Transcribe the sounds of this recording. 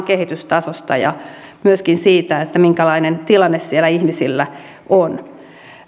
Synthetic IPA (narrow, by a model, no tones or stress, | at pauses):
kehit̪yst̪ɑsost̪ɑ̰jɑ̰ | myøskinsiːt̪æet̪ːæmiŋkælɑinent̪ilɑnːessielæihmisilːæ | ʔon